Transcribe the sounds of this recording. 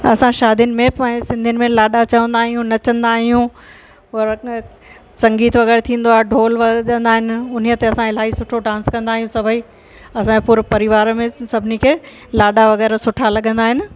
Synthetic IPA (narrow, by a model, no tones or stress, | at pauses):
ɐ̰sãʃaːd̪ijʊnɪ̆mẽpãːɪ̃sɪ̃nd̪ʱjʊnɪ̆mẽlaːɗat͡ɕɐʋə̃nd̪aːɦijũnɐt͡ɕɐ̃nd̪aːɦijũ | ɾ | sɐ̃ŋɡiːt̪ʋɐɣɛːɾt̪ʰĩːn̆d̪oaːɦeɖʱoːlʋɐə̃nd̪aːɦɪnɪ̆ʊn̤ijət̪eɐsãɪl̤aːisʊʈʰoɖãːnskɐ̃nd̪aːɦijũsɐbʱəiː | ɐsãpuːɾpɐɾɪʋaːɾmẽsɐbʱɪnikʰeː | laːɗaʋɐɣɛːɾsʊʈʰalɐɠə̃nd̪aːɦɪnɪ̆